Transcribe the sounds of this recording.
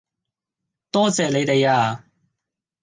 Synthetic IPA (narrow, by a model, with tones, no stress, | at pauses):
t̪ɔː˥t͡sɛː˨le˨˧jt̪e˨jaː˧